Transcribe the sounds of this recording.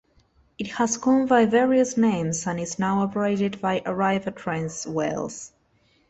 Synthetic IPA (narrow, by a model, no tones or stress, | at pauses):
ɨthəzɡɔ̃nbaɪvɛɹiɨsnẽɪ̃mzə̃nɪznaʊɔpə˞eɪɾɨdbajʔəɹaɪvətʰɹɛ̃nswḛlˠs